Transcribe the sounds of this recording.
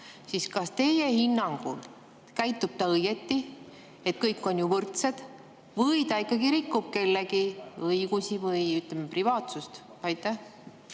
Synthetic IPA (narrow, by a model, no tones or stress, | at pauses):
siskɑst̪e̞jehinːɑŋɡ̥ul | kæjt̪ːˑub̥̚t̪ɑɤjɡe̞t̪ːi | e̞t̪̚kɤjkːˑo̞njuvɤrt̪se̞d̪̥ | vɤjt̪ɑikːˑɑɡiɾikːˑub̥̚ke̞lːeɡiɤiɡ̥usivɤjyt̪lemeprivɑːt̪sust̪ | ɑjt̪ːˑæh